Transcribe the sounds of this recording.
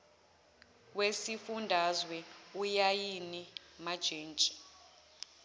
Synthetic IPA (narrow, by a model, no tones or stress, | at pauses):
wesifundʱazwɛujajinimad̥ʒ̥ʱeːnt͡ʃʼi̥